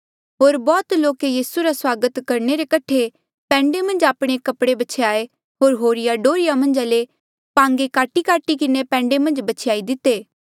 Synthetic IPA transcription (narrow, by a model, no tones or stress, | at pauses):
ɦoːɾbɔːt̪loːkejiːsuɾaswaːɡət̪kɐɾneɾekɐʈʰe | pɛ̃ːɳɖemɐ̃nd͡ʒaːpɽ̃ekɐpɽebɐt͡ʃʰejaːe | ɦoːɾɦoːɾɪjaɖoːɾɪjamɐ̃nd͡ʒaːle | pãːŋɡekaːʈikaːʈikɪnepɛ̃ːɳɖemɐ̃nd͡ʒbɐt͡ʃʰjaːid̪ɪt̪ːeː